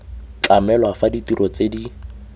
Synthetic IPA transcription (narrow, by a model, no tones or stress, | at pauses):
t͡ɬamɛlwafaditiɾʔɔt͡sedi